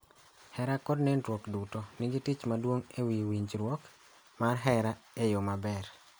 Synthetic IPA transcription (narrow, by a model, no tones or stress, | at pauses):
hɛɾakɔdnɛntwokdutɔnɪɡitit͡ʃmadwoŋewiwiɲt͡ʃɾwok | marɦɛɾaejomabɛɾ